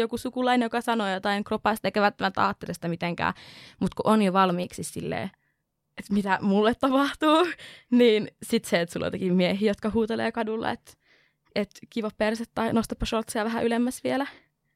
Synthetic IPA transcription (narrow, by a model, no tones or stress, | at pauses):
jokusukulɑinenjokɑsɑnoːjot̪ɑiŋkropɑˑst̪eikæʋælt̪ːæmænt̪ɑ̰ːt̪ːet̪esi̥t̪æmit̪eŋkæ̰ːmut̪kuʔonjoʋɑlmiːksissḭlːḛː | et̪mit̪æmulːet̪t̪ɑpɑht̪uːniːnsit̪seet̪sulːɑ̰t̪ekimiehiːjot̪kɑhuːt̪elḛːkɑdulːḛḛt̪ | et̪kiʋopperset̪t̪ɑinost̪ɑpːɑʃolt̪sejɑʋæɦæʔylemːæsʋielæ